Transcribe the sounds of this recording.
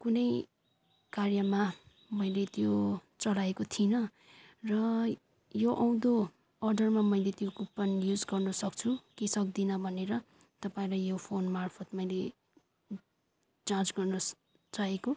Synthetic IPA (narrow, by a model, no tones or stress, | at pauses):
kunʌj | karjʌma | mʌjlet̪jot͡sʌlaekot̪ʰinʌ | rʌ | joʔʌw̃d̪o | ʌrɖʌrmamʌilet̪jokuppːʌnjud͡zɡʌrnʌsʌk̚t͡sʰukisʌk̚d̪inʌbʱʌneɾʌ | t̪ʌpaĩlajjopʰonmarpʰʌt̪mʌjle | d͡zãt͡sɡʌrnʌ | t͡saɦeko